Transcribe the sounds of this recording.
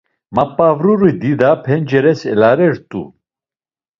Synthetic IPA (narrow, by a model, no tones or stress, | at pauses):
mapʼavɾuɾid̪id̪apʰɛnd͡ʒɛɾɛsɛlaɾɛɾt̪ʼṵ